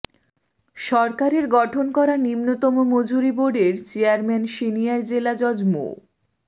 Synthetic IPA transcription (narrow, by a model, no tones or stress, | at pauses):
ʃɔɾkaɾeɾɡɔʈʰonkɔɾanimnot̪ɔmomod͡ʑuɾiboɖeɾt͡ɕeaɾmɛnʃinijaɾd͡ʑelad͡ʑɔd͡ʑmo̰